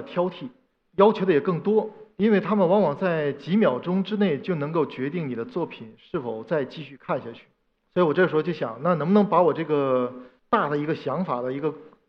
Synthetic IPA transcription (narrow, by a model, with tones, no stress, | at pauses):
t̪ʰjɑ˥ʊt̪ʰi˥˩ | jɑ˥ʊt͡ɕʰjo˧˥d̪ə˧jɛ˨˩kɤ˥˩ŋt̪wɔ˥i˥nwe˥˩ɪt̪ʰa˥mə˨nwɑ˧˥ŋwɑ˨˩ŋt͡sa˥˩ɪt͡ɕi˧˥mjɑ˨˩ʊʈ͡ʂʊ˥ŋʈ͡ʂɻ̩˥ne˥˩ɪt͡ɕjo˥˩ʊnɤ˧˥ŋko˥˩ʊt͡ɕɥɛ˧˥t̪i˥˩ŋni˨˩d̪ə˦t͡swɔ˥˩pʰi˨˩˦nʂɻ̩˥˩fo˨˩ʊt͡sa˥˧ɪt͡ɕi˥˧ɕy˥˧kʰa˥˧nɕja˥˩t͡ɕʰy̥˥˩ | swɔ˧˥i˧˥wɔ˨˩ʈ͡ʂɤ˥˧˩ʂɻ̩˥wt͡ɕjo˥˩ɕjɑ̰˨˩˦ŋna˥˩nə˧˥ŋbə˧nɤ˧˥ŋpa˧˥wɔ˨˩ʈ͡ʂɤ˥˩ɡə˩ | t̪a˥˩d̪ə˩i˧˥ɡə˧ɕjɑ˧˥ŋfa˨˩d̪ə˦i˧˥ɡə˧